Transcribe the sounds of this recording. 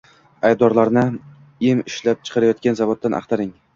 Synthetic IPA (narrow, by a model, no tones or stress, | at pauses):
ajd̪ɒɾlaɾnɪ | ɪmɪʃlap̚t͡ʃʰɨ̥qʰɑɾajɒt̪̚kʲanzavod̪̚ːanʔa̰χt̪ʰaɾɪŋ